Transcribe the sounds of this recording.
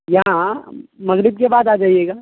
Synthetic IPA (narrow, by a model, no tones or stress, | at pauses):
jɐɦãmɐɣɾɪb̚kebaːd̪aːd͡ʒaːijeːɡaː